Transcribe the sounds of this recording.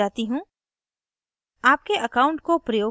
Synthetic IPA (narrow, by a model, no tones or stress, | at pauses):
aːt̪iɦũː | aːp̚keʔɐkaːʊ̃ɳʈ̚kopɾɐjoː